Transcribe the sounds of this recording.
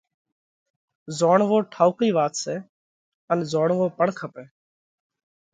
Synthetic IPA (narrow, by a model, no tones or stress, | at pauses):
zoːɳʋoːʈʰaːukiːʋaːt̪seː | ənzoːɳʋoːpəɳkʰəpeː